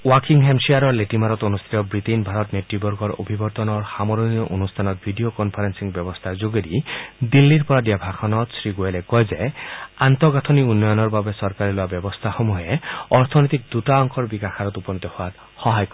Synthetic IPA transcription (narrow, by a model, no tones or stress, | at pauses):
wakiŋɦemsiaɾɔɹleʈimaɾɔt̪onust̪ʰi̥t̪ɔbɹit̪enbʱaɾɔt̪netɹibɔɾɡɔɹo̰bʱibɔɾt̪ɔnɔɹxamɔɾonijɔʔonust̪ʰanɔt̪̚bʱidiokɔnpʰaɾensiŋbjɔbɔst̪ʰazoɡeɾid̪ilːiɹpɔɾad̪ijabʱaxɔnɔt̪sɹiɡoelekɔjzeant̪ɔɡat̪ʰɔniunːɔjɔnɔɹbabesɔɾkaɾiloabɔbɔst̪ʰaxomuɦeɔɾt̪ʰɔnɔjt̪ik̚d̪utaɔŋkɔɹbikaxʰaɾɔt̪upɔnit̪ɔhʊat | xɔɦajkɔ